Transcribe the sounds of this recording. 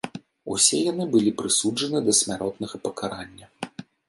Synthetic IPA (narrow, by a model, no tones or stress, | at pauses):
usʲɛjan̪ɨbɨlʲipɾɨsud͡ʐɐnɨd̪ɐsʲmʲaɾʔɔt̪nɐɣɐpɐkaɾanʲːɐ